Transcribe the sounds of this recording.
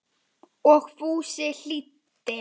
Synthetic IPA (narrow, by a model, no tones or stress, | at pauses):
ɔxfuːsɪɬit̪ː | ɪ